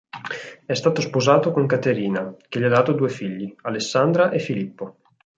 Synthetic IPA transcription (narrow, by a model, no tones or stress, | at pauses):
ɛst̪aːt̪ospozaːt̪okoŋkat̪eɾiːnak̟eʎiad̪aːt̪od̪uːefiʎːialesːand̪ɾaʔefilipːo